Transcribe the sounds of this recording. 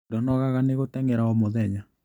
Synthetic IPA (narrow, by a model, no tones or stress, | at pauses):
dɔnɔɣaɣaneɣotɛŋɛɾaɔmoðɛɲa